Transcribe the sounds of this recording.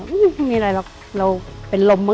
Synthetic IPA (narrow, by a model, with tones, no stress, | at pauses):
ʔ̩˦˩˧miː˧˨˧ɾaː˧ba˨˩k̚ | la˧wpe˧˨nlo˧mːa˦˥